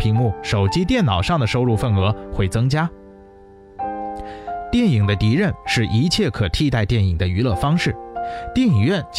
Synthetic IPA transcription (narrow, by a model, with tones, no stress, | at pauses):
pʰi˧˥ŋmu˥˩ʂo˨˩ʊt͡ɕi˥t̪̬jɛ˥˩nnɑ˨˩ʊʂɑ˥˩ŋd̪ə˩ʂo˥ʊɻu˥˧fə˥˩nɤ˧˥xwe˥˩ɪt͡sɤ˥ŋt͡ɕja˥ | t̪jɛ˥˩ni˨˩ŋd̪ə˦t̪i˧˥ɻə˥˧nʂɻ̩˥˩ʔi˧˥t͡ɕʰjɛ˥˩kʰɤ˨˩t̪ʰi˥˧t̪a˥˧ɪt̪jɛ˥˩ni˨˩ŋd̪ə˦y˧˥lɤ˥˩fɑ˥ŋʂɻ̩˥˩t̪jɛ˥˩ni˨˩ɥɛ˥˩nt͡ɕ